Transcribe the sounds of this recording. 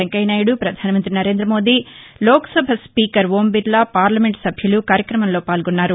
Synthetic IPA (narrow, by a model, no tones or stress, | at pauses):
ɐŋkɐjnaːjuɽupɾɐd̪ʱaːnɐmɐnt̪ɾinɐɾe̞ːnd̪ɾɐmo̞ːd̪iː | loːkɐ̥sɐbʱɐspiːkɐɾʋoːmbiɾlɐpaːɾlɐmeɳʈsɐbʱjɐlukaːɾjɐkɾɐmɐmlo̞ːpaːlɡɔnːaːɾu